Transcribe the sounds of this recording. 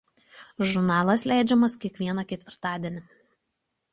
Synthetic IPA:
ʒʊɾnɑːlˠɐslʲæˑɪd͡ʒʲɛmɐskʲiɛkʋʲiɛnɐkʲɛt̪ʲʋʲɪɾt̪ɑːd̪ʲiɛnʲɪ

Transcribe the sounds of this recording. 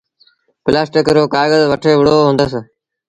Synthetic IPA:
plaːsʈɪkɾoːkaːɾɡəzʋəʈʰeːʋɪɽoːɦõnd̪əs

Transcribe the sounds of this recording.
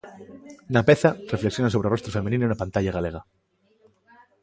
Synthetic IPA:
napeθarefleksjonaso̞βɾero̞st̪ɾofemenĩnounapant̪aʎaɣale̞ɣ̞a

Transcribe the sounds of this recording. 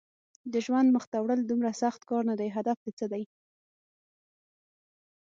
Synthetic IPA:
d̪əʒwand̪məxt̪awɽəld̪umɾasaxt̪kɑɾnad̪ajɦad̪afd̪et͡səd̪aj

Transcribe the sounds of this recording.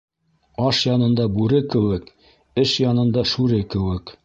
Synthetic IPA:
ɑʃjɑnɤ̆nd̪ɑbʉɾɘkɘ̆wɘk | ɘʃjɑnɤ̆nd̪ɑʃʉɾɘkɘ̆wɘk

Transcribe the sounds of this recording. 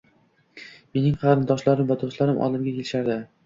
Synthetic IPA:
me̞nɪŋqʰɑɾɪnd̪ɒʃlaɾɪmvad̪oʃlaɾɪmʔɒ̰lˠɪmɡʲakʲʰe̞lɪʃaɾd̪ɪ

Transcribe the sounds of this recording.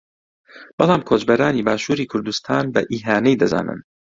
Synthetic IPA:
b̥ɑlˠɑːmkʰoːt͡ʃbɐɾaːniːbaːʃuːɾiːkʰʊɾd̪ust̪ʰaːnbɐʔiːɦaːnɛjd̪ɐza̰ːnɨ̰n

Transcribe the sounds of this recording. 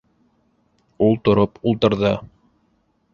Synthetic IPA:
ulˠt̪ŏɾopulˠt̪ɤ̆ɾðɤ

